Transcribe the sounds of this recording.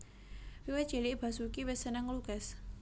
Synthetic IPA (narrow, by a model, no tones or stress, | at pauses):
wiwe̥ʒ̥e̤liʔb̥a̤sukiwɛsənəŋluɡ̥ɛs